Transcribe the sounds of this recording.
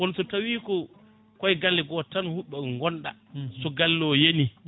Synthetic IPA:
wɔnsɔtawiːkɔ | kɔjɡalːɛɡɔtanhuɓːɛŋɡɔnɗa̰ | sɔɡalːɔːjeni

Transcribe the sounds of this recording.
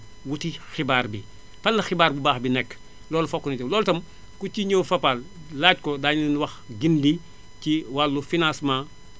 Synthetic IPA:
wutixibaːrbi | fɐlːɐxibaːɾbubaːxbinɛkː | lɔːlfɔkːunitɐlɔːltɐm | kuciɲoːwfɐpallaːt̚kɔdaːɲinwɐxɡindi | ciwalːufinãːsmãː

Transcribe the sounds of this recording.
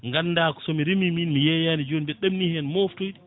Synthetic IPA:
ŋɡanːdaːkɔ̥sɔmiɾimiminmijɛjanid͡ʒonibɛɗamnihɛnmoftojɗi

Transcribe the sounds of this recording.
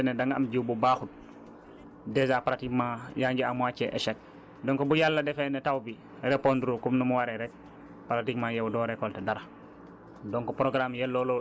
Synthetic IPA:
ɛnedaŋɡa̰mɟiwbubaxut̚ | dezaːpaɾatikmajaːɲɡiamwat͡ʃɛʔɛ̰ʃɛk̚ | dɔŋkɔbujalːɐdɛfɛnetawbi | ɾepondɾokumnumuwaɾeɾɛk̚ | paɾatikmajɛwdɔːɾekɔltedaɾa | dɔŋkɔpɾoɡɾamjɛlːolo

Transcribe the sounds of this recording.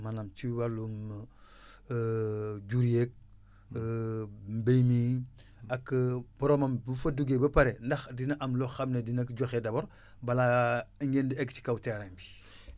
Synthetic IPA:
manamt͡ʃiwalun | ɟuɾijek̚ | mbejmi | akbɔɾomambufaduɡebɐpaɾendaxdinaʔamloxamnedinakɟoxedaboɾ | balaiŋɡendieɡt͡ʃi̥kawteɾambi̥

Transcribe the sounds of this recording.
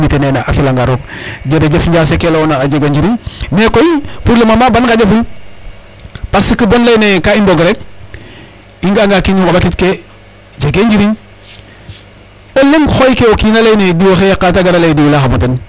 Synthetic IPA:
mitenenaʔa̰filaŋɡaɾokɟedeɟefɲɟaːs̬ekelonaːɟeɡeɲɟiɾiɲmekojipuɾlomamabankaɟefu | pasikibonlajnekaimboɡɾek̚ | iŋɡaŋɡakiɲiŋkobatitke | d͡ʒeɡeɲd͡ʒiɾiɲ | oleŋxojkeokinalejnediwoxejakːataɡaɾalejdiwlaxamoten

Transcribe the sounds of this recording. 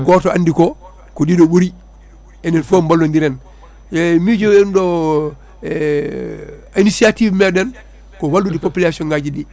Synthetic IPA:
ɡoːtoandiko | kodidoɓuɾi | enenfombalːondiɾen | mid͡ʒoendo | inisiativmedɛn | kowaldudipopilasioŋɡaɟidi

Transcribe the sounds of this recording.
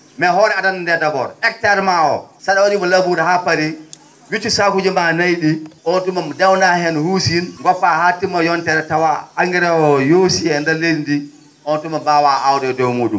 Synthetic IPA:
mɛɦɔɾɛadanndɛdabɔ̰ɾɛk̚taɾmaɔ̰saɗawaɗimɔlabuɾɛhapːaɾi | wit͡ʃːusakud͡ʒimanajɗiʔɔntumamdawnahɛnhusinɡɔfahatːimɔjɔntɛɾɛtawaaŋɡɛɾawɔjosiɛndɛledindi | ʔɔntumabawaʔawdɛdɔwmoːɗum

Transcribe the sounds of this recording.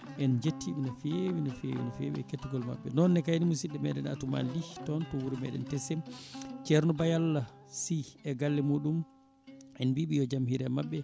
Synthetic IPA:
ʔɛnd͡ʒetːiɓinafewinafḛwḭnɔfḛwiɛketːiɡɔlma̰ɓːɛnɔnːɛkajnimusiɗɛmɛɗɛna̰tuma̰nlitɔntɔwuɾimɛ̰ɗɛ̰ntɛsɛmt͡ʃɛɾnɔbajalːa | siɛɡalːɛmuɗum | ɛnbiɓijɔd͡ʒamhiɾɛmaɓːɛ

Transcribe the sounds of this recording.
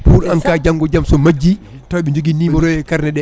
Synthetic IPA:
puɾankad͡ʒaŋɡɔd͡ʒamsɔmad͡ʒːi | tawɓɛɲd͡ʒoɡinimɔɾɔjɛkaɾnɛɗɛ

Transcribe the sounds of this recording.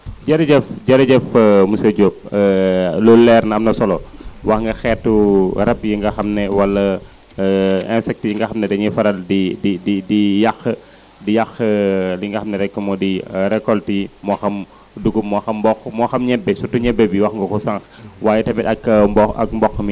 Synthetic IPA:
d͡ʒɐɾɐɟɛfɟɐɾɐɟɛfmusɐɟop̚ | lɔlːɛɾnɐɐmnɐsɔlɔwɐxŋɡɐxɛtːuɾɛp̚jiŋɡɐxɐmnɛwɐlːɐ | ɛnsɛk̚tijiŋɡɐxɐmnɛdɐɲifɐɾɐldidididijɐx | dijɐxliŋɡɐxɐmnɛɾɛkːɐmɔdiɾɛkːɔltimɔxɐm | duɡumɔxɐmbɔxmɔxɐmɲɛbːɛsutːuɲɛbːɛbiwɐxŋɡɐkusɐŋxwaːjɛtɐmiɗɐkːɐbɔɐ̰k̚mbɔxːmi

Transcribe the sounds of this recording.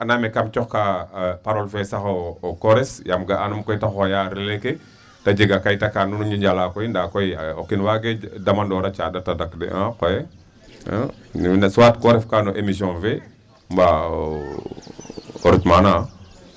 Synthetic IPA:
anamekamt͡ʃɔxkapaɾolfesaxokɔɾesjamɡaʔanumkɔjtaxojaɾeleke | tad͡ʒiɡakajtakanunuɲɟuɲɟalakɔjindakojio̰kinwaɡedamandɔɾat͡ʃadatadakdḛʔãkojḛ | nsuwaːtkɔɾefkanuʔemisɔ̃nfe | mba | oɾitmanãː

